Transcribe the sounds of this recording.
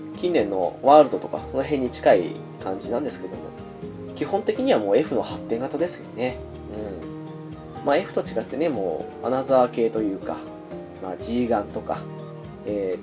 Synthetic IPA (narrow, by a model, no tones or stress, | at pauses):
kʲĩnːẽ̞nːo̞̰βaːɾɯ̟d̪o̞t̪o̞ka̰so̞no̞ɦẽ̞ɲ̟ːit͡ɕi̥kaḭ | kãɲ̟d͡ʑinãnd̪esɨ̥ke̞d̪o̞mo̞̰ | kʲihõ̞nt̪e̞kʲiɲ̟iβ̞amo̞ːe̞ɸɯ̟no̞hat̪ːẽ̞ŋɡat̪ad̪e̞sɨjone̞ | ɯ̟̃ɴ | maːe̞ɸɯ̟̥t̪o̞t͡ɕiɡat̪ːe̞ne̞mo̞̰ː | a̰nazaake̞ːt̪o̞jɯ̟ːka̰ | maːd͡ʑiːɡãnt̪o̞ka̰ | eː